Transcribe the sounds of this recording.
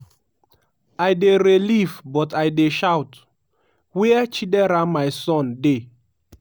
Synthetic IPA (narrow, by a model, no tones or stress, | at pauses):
ajdeɾelifbɔtajdeʃawt | wiɛt͡ʃidɛɾamaɪsɔ̃nde